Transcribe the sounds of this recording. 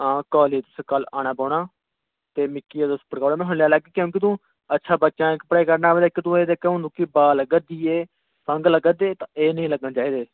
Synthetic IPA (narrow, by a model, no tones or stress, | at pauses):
ãːkaːliːt̪ʊskəlaːɽ̃aːpɔːɳaː | t̪eːmɪkːiːeːd̪ʊspəɽkaːɽaːmɛ̃ːɦʊ̃ɽljaːlaːɡiːkjõːk̬ɪt̪ũː | ətːʃʰaːbətːʃãːkəpɽaːiːkəɾnaːʋeːd̪eːkɪt̪ũːeːd̪eːkeõːnd̪ũːkɪbaːləɡəd̪iːeː | sə̃ŋɡləɡəd̪eːt̪ãːeːnəĩːləɡnaːt͡ʃaːiːd̪eː